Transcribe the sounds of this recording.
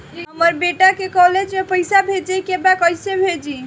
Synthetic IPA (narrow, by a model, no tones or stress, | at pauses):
d͡ʒiɦəməɾbeʈakekɔɦled͡ʒmepəɪsabʱed͡ʒekebakəjsebʱed͡ʒi